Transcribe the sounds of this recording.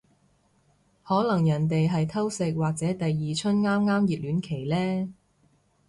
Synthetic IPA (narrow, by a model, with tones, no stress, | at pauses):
hɔː˨˥lɐ˨˩ŋjɐ˨˩nt̪e˨jɦɐ˨jt̪ʰɐ˥wsɪ˨k̚waː˨k̚t͡sɛː˨˥t̪ɐ˨jːiː˨t͡ʃʰɵ˥nŋaː˥mŋaː˥mjiː˨t̚lyː˨˥nkʰe˨˩jlɛː˥